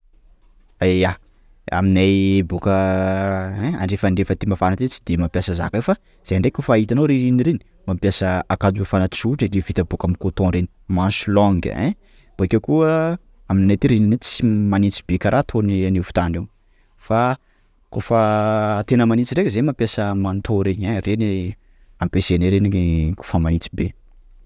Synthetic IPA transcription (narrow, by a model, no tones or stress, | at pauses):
aa | a̰minajbukə | ẽa̰ɳɖ͡ʐefaɳɖ͡ʐefət̪imafanat̪et͡si̥d̪emampjasaza̰kafa | z̥eaɳɖ͡ʐekʲofːɦit̪anoɾiɾiniɾeni̥ | mampjasəakad͡ʒufanat͡suʈ͡ʂiɖ͡ʐevit̪əbukamikot̪õɾeni̥mãnsulɔŋɡə̰ḛ̃ | b̥oekʲekuə | aminnet̪iɾininet͡simanit͡si̥bekaɾʔat̪ʰonnivu̥t̪ane | fa | kofət̪enəmanit͡siɾekʲzemampjasəmant̪ʰoɾeɲareni | ampeseneɾeniiko̥famanit͡si̥be